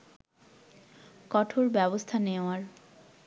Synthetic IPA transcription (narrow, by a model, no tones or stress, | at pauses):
kɔʈʰoɾbɛbost̪ʰaneoaɾ